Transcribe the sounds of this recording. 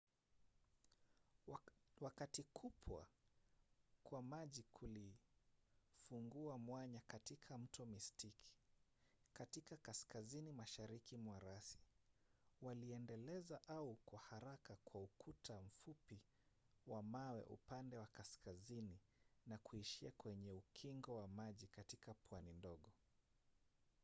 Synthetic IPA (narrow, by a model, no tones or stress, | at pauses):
wakatikʰupʰwa̰ | kwamaʄikʰuli | fuŋɡuamwaɲakatikʰam̩tɔmistikʰi̥ | katikakaskazinimaʃaɾikimwaɾasi̥ | waliɛndɛlɛzaʔaukwahaɾakakwaukʰutʰam̩fupi | wamawɛ̰ʔṵpandɛwakaskazininakuiʃiakwɛɲɛukʰiŋɡɔwamaʄikatikapwanindɔɠɔ